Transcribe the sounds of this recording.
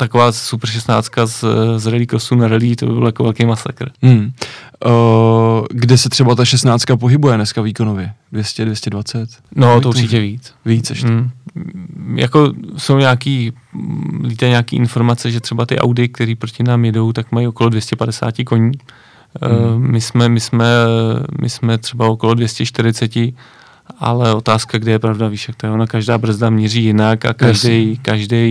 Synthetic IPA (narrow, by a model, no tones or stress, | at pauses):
t̪akovaːsuprʃ̬ɛst̪naːt͡st̪kazzɾɛlikosuːnaɾɛliːt̪o̰bɪbɪlojakovɛlkejmasa̰kɾ̩m̩ | ɡdɛsɛt̪r̥ɛbat̪aʃɛst̪naːt͡st̚kapoɦɪbujɛnɛskaviːkonovjɛdvjɛscɛdvjɛscɛdvat͡sɛt̪not̪oʔut͡ʃɪcɛviːt͡svit͡sɛʃ̩ | ja̰ko̞so̞wɲaːkiː | lit̪ɛɲaːkiːʔɪnfo̞ɾmat͡sɛʒɛt̪r̥ɛbat̪ɪʔa̰wdɪk̚t̪ɛɾiːpɾo̞cɪnaːmjɛdo̞wt̪akmajio̞kolo̞dvjɛscɛpadɛsa̰ːcɪko̞ɲiː | mɪsmɛmɪsmɛmʔɪ̰smɛt̪r̥ɛbao̞kolo̞dvjɛscɛʃt̪ɪɾɪt͡sɛcɪ | ʔa̰lɛo̞t̪aːskaɡdɪjɛpɾavdaviːʃjak̚t̪ojɛonakaʒdaːbr̩zdamɲɛriːjɪnaka̰kaʒdɛjkaʒdɛj